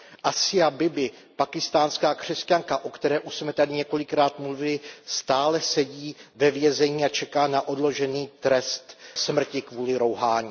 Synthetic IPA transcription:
ʔasɪabɪbɪ | pakɪst̪aːnskaːkr̝̥ɛscaŋkaʔo̞kt̪ɛɾɛːʔuʃsmɛt̪adɪɲɛko̞lɪkɾaːt̪mluvɪlɪst̪aːlɛsɛɟiːvɛvjɛzɛɲiːat͡ʃɛkaːnaʔo̞dlo̞ʒɛniːt̪ɾɛst̪smr̩cɪkvuːlɪɾo̞wɦaːɲiː

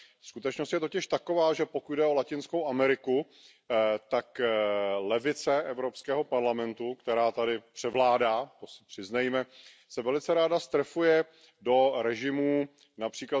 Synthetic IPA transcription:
skut̪ɛt͡ʃnost̪jɛt̪ocɪʃt̪ako̞vaːʒɛpo̞kud̚dɛo̞lacɪnsko̞wʔamɛɾɪku | t̪ak | lɛvɪt͡sɛʔɛvɾo̞pskɛːɦo̞paɾlamɛnt̪ukt̪ɛɾaːt̪adɪpr̝̥ɛvlaːdaːt̪osɪ̥pr̥ɪznɛjmɛ | sɛvɛlɪt͡sɛɾaːdast̪ɾɛfujɛ | do̞ɾɛʒɪmuː | napr̥iːkla

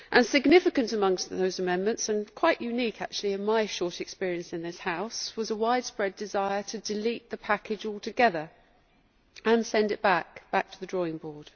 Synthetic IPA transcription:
ʔə̃nsɪɡnɪfɨkə̃ntəmʌ̃ŋsðəʊzəmɛ̃nmə̃ntsə̃nkʰw̥aɪʔjʔʉniˑkʰa̰k̚t͡ʃʉl̩ˠiɪ̃nmaɪʃɔɹtɨkspɪɹiɨ̃nsɨ̃nðɪshaʊswʌzəwaɪd̥spɹɛdɪzaɪə˞tʰədɪliˑt̪̚ðəpʰakɪd͡ʒɔlˠtʰɨɡɛðə˞ | ə̃nsɛ̃ndɨʔ̚b̥ak̚b̥ak̚tʰəðədɹɔːɪ̃ŋbɔːd̥

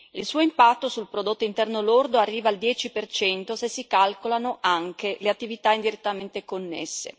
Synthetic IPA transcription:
ilsuːoimpat̪ːosulpɾod̪ot̪ːoint̪ɛrnolord̪oarːiːvald̪jɛːt͡ʃipert͡ʃɛnt̪osesːikalkolanoʔaŋkeleat̪ːivit̪aind̪iɾet̪ːament̪ekonːḛsːḛ

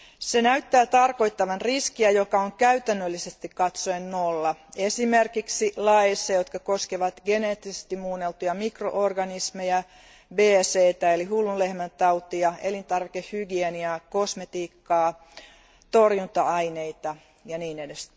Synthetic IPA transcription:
senæyt̪ːæːt̪ɑrko̞it̪ːɑʋɑnriskiæjokɑoŋkæyt̪ænːølːisest̪ikkɑt̪soennolːɑesimerkiksilɑesːɑjot̪kɑko̞skeʋɑt̪ɡeneːt̪ːisest̪immuːnelt̪ujɑmikro̰ʔorɡɑnismejæ | beːseːt̪æelihulːunlehmænt̪ɑut̪iɑe̞lint̪ɑrʋikehhyɡieniɑkosmet̪iːkːɑː | t̪orjunt̪ɑɑineit̪ɑ | jɑniːnedes

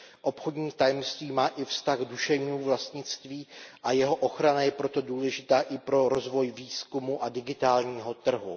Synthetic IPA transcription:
ʔo̞pxodɲiːt̪ajɛmst̪viːmaːʔɪfst̪aɣduʃɛvɲiːmuvlast̪ɲɪt͡st̪viːʔajɛɦo̞ʔo̞xɾanajɛpɾo̞t̪o̞duːlɛʒɪt̪aːʔɪpɾo̞ɾo̞zvo̞jviːskumuʔadɪɡɪt̪aːlɲiːɦo̞t̪r̩ɦṵ

